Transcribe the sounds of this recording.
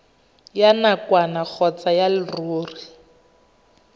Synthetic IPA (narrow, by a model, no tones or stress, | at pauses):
janakwanak͡xʰɔt͡sajalɪruːri